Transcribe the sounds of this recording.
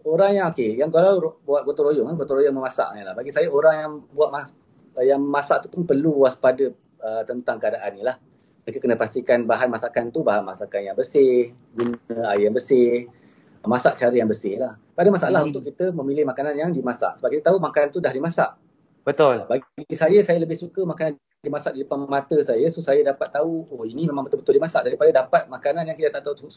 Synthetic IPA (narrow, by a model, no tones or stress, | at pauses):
oɾaŋjaŋokejaŋɡalabuat̪̚ɡot̪oɾojʊŋanɡot̪oɾojʊŋməmasa̰ʔnalahbaɡisajəoɾaŋjaŋbuat̪̚ma | jaŋmasaʔt̪u̥pʊnpərluwaspadə | ət̪ənt̪aŋkəadaʔanːilah | mekəkənəpast̪ikanbaɦanmasakant̪ubaɦanmasakanjaŋbəsɪh | ɡunəajjaŋbəsɪh | masaʔt͡ʃaɾəjaŋbəsɪhlah | padəmasaʔalaɦunt̪ʊʔkːit̪əmə̃milɪhmakananjaŋdimasa̰ʔsəbapkit̪ət̪aumakant̪udahdimasaʔ | bət̪ʊlbaɡisajəsajələbɪhsukəmakanan | dimasaʔdidəpamat̪əsajəsusajədapat̪ːauoinimemãŋbət̪əlbət̪ʊldimasaʔdaɾipadədapat̪̚makananjãŋkit̪ət̪aʔt̪aut̪u